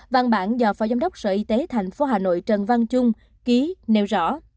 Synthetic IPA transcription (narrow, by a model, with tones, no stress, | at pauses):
va˧nɓa̰ː˧˩nzɔː˧˩fɔ̰˧˨˩za˧ŋ͡mɗə˦˥wk͡p̚sə̰ː˧˩ʔi˧t̪e˨˦t̪ʰa˨˩jŋ̟fo˨˦ɦaː˨˩no̰˧˨jt͡ɕə˨˩nva˧nt͡ɕʊ˧ŋ͡m | ki˨˦ne˧˩wzɔ̰˧˥˨